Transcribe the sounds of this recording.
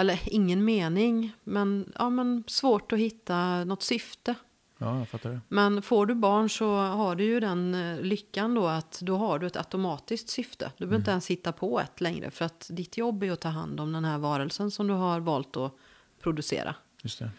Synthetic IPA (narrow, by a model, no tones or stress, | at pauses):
ɛlːəɾɪŋːənmeːnɪŋmɛnʔɑ̰ːmɛnsvoːʈɔhɪt̪ːanɔt̪ːsʏft̪ə | fat̪ːaɛmɛnfoːɖɵbɑːɳʂɔɦaɖɵjɵd̪ɛnlʏkːand̪ɔat̪d̪ɔɦaɖɵɛt̪ʰa̰t̪ʊmɑːt̪ɪsk̚t̪sʏft̪ʰə̰d̪ɵbœɾɪnt̪ɛnshɪt̪ːapʰɔɛ̰t̪lɛŋɾʔə̰fœɾat̪d̪ɪt̪ʰjɔbːæjɔt̪ʰɑːɦa̰nd̪ɔmd̪ɛnɦæːɾvɑːɾəlsənsɔmd̪ɵɦaɾvɑːlt̪ɔ | pʰɾʊd̪ɵsḛːɾʔa̰ | jɵst̪ɛ